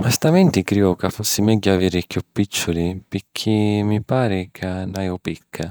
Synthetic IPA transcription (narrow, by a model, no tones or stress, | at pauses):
mast̪amɛnt̪ɪkɾiːɔkafosːimɛɟːʊaviːɾɪkjupːit͡ʃːʊlipɪkʰːimːipaːɾɪkʰanːajʊpikʰːa